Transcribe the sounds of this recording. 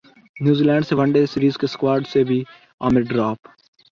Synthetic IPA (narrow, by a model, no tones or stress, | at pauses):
njuːziːlɛ̃ːɳɖseʋɐ̃ɳɖesɪɾiːzkeskwaːɾɖsebʱi | a̰ːmɪɖɾaːp